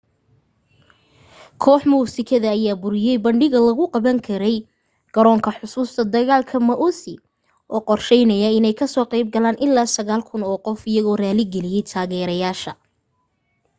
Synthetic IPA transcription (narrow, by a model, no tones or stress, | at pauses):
kʰɔːħmuːsɪkʰɐðɐːjaːbʊɾɪjɛjbɐɳɖɪɣɐlɐɣʊqɑβɐŋkʰɐɾɛj | ɡ̥ɐɾɔːŋkʰɐħʊsuːst̪ʰɐd̪ɐɣaːlkʰɐmɐʔusɪ | ʔɔːqɔrʃɛjnɐjɐɪnɛjkʰɐsɔːqɑjb̚ɡɐlaːnʔɪlːaːsɐɣaːlkʰʊnɔːqɔfɪjɐɣɔːraːlɪɡɛlɪjɛjt̪ʰaːɣɛːɾɐjaːʃɐ